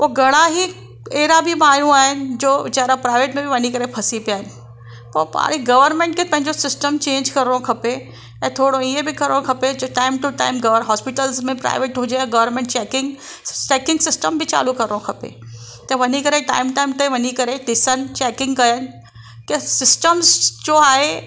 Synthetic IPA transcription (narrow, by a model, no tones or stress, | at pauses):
oːɡɐɽaɦi | eːɾabʱimaːjũaːɦɪnɪ̆d͡ʑoːd͡ʑɐɦɾapɾaːɪʋeːʈmẽbɪʋɐɲikɐɾepʰɐsipijaːɦɪnɪ̆ | pɐpa̰ːɾiɡɐʋəɾmẽɳʈ̚kʰepɐ̃ɦɪ̃ɲd͡ʑosɪsʈəmt͡ɕẽːɲd͡ʑkɐɾɪɽokʰɐpe | ɛ̃ːt̪ʰoːɽoiẽbɪkɐɾɽõkʰɐped͡ʑoːʈaːɪmʈuʈa̰ːɪmɡɐʋəɾɦɔːspɪʈəlzmẽpɾa̰ːɪʋeːʈɦʊ̃d͡ʑeɛ̃ɡɐʋəɾmẽːɳʈt͡ʃɛːkɪ̃ŋɡ | t͡ʃɛːkɪ̃ŋɡsɪsʈəmbʱɪt͡ɕa̰ːlukɐɾɽõkʰɐpḛ | t̪ɐ̃ʋɐɲikɐɾeʈa̰ːɪmʈaːɪmt̪ɐʋɐɲikɐɾeɖ̪ɪsənɪ̆t͡ɕɛːkɪ̃ŋɡkɐjənɪ̆ | kesɪsʈəmzd͡ʑoːaːɦe